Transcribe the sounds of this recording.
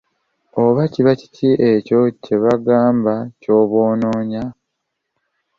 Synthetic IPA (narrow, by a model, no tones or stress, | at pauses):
oβaciβaci̥tʰiʔeco̞ce̞βaɡaːmbaco̞ːβo̞ːnoːɲa